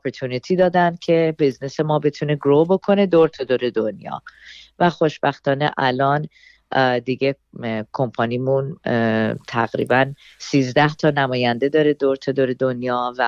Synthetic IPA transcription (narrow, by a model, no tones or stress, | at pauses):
ɔpʰeɾt̪ʰunit̪ʰiːd̪ɒːd̪ænd̪̥̚cʰe̞biznese̞mɒːbe̞t̪ʰune̞ɡɾobo̞kʰo̞ne̞d̪oɾt̪ʰod̪oɾe̞d̪onjɒ̰ːvæχo̞ʃbæxt̪ɒːne̞̰ʔælɒːn | d̪iɟe̞ | kʰo̞mpʰɒnimun | t̪ʰæɣɾḭːbæn | siːzd̪æht̪ʰɒːnæmɒːjænd̪e̞d̪ɒːɾe̞d̪oɾt̪ʰod̪oɾe̞d̪o̞njɒːvæ